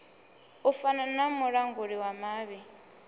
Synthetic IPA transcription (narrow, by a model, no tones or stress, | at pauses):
ʊfananamʊɺaŋɡʊɺiwamaːβi